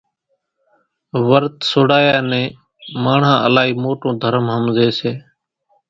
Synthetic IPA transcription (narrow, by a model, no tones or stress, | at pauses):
ʋəɾt̪soːɽaːjaːnɛ̃ː | maːɳ̤ãːʔəlaːɦiːmoːʈõːd̪ʱəɾəmɦəmzeːseː